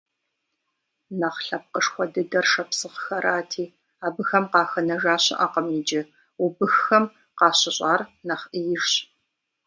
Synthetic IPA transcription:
nɐχɬɐp̚qəʂxʷɔdɨdɐrʂɐpsɨʁxɐɾʔaːtʰiː | aːbɨxɐmqɑːxɐnɐʒaːɕɪ̰ʔaːqəmiːd͡ʒɪ | ʊbɨxɐm | qɑːɕɪɕʼɑːrnɐχʔijɪʒɕ

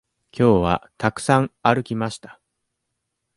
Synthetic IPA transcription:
kʲo̞ːβa̰t̪akɯ̟̥sãŋ̃aɾɯ̟kʲimaɕi̥t̪ḁ

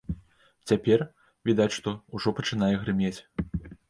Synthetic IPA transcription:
t͡sʲapʲɛr | vʲid̪at͡sʲʂt̪ɔuʐɔpɐt͡ʂɨn̪ajɛɣɾɨmʲet͡sʲ

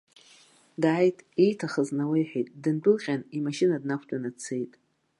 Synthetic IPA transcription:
daːjtʼejtʰaχəznawejħʷᶣijtʼdɨndʼʊlqʲʼanimaʃɪnadnakʷʰdʼanat͡sʰejtʼ

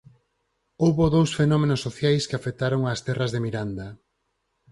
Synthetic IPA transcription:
owβoðowsfenɔmenosːoθjajskɪafet̪aɾoŋast̪ɛrɐzðemiɾand̪ɐ

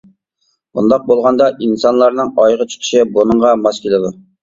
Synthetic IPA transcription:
bund̪ɑq̚bolˠʁɑnd̪ɑʔinsɑnlˠɑɾnɨŋɑjʁət͡ʃʰʊ̥t̪ʰɪ̥ʃɪbonɨɴʁɑmɑskʲʰelɪd̪u

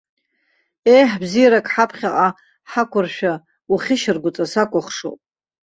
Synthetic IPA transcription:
e̞jħbzijaɾakʼħapʰχʲaʔʼa | ħakʷʰʊrʃᶣa | uχʲɪʃɪrɡʷʊt͡sʼasakʷʼʊχʂo̰pʼ

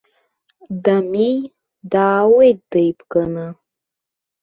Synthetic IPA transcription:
d̪ami | d̪aːwed̪əjpkəna

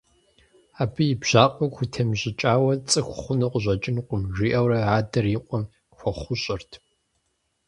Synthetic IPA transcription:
aːbɨjɪbʑ̥aːqʼɐkʷʊtʰɐmʑɪt͡ʃʼaːwɐt͡sʼɨxʷʊχʷʊnɨqʷʊʑʷɐt͡ʃʼɪnqʷʊmʒʷiːʔɐwrɐaːdɐrjiqʷʼɔm | xʷɔχʷʊɕʼɪrtʰ

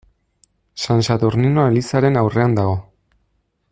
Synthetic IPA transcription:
sansat̪uɾninoe̞lisaɾe̞nawrʔe̞and̪aɣ̞o̞

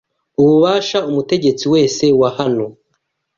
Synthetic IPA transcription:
uβuβaːʃaumute̞ɟe̞t͡siwe̞ːse̞wahano̞

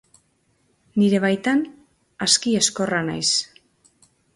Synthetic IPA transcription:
niɾe̞β̞ajt̪an | askie̞sko̞rana̰js

